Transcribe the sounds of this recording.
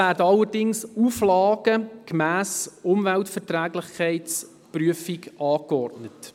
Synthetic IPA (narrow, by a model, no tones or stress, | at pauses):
æːɾdəɑlːəɾdɪŋsuːflɑːɡ̥əkmæːsʊmvɛltfɛɾtɾæːɡlɪχkʰɛɪs | pryəfiɡɑːkɔrtnət